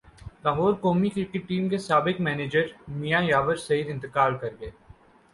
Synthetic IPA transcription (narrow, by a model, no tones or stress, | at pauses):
k̪aɦoːɾkoːmikikiʈiːmkesaːbɪkmɛːneːd͡ʒəɾmijajaːʋəɾsɐɦid̪ɪ̃nt̪ɪkaːlkɐɾɡɐeː